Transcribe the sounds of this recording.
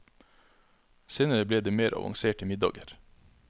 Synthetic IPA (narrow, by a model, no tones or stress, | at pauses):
seːnəɾəbleːd̪eːmeːɾʔɑ̰ʋɑ̰ŋseːʈəmɪd̪ɑ̰ːɡəɾ